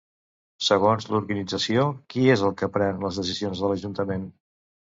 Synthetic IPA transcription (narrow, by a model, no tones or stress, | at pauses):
səɣ̞onzluɾɣənid͡zəsiokiezəlˠkəpɾɛnləzðəsizionzðələʒunt̪əmen